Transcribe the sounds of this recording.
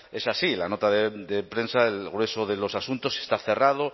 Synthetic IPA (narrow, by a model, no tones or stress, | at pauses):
e̞sasilano̞t̪aðed̪epɾe̞nsaelɣɾe̞soðe̞lo̞sasunt̪o̞se̞st̪aθe̞rað̞o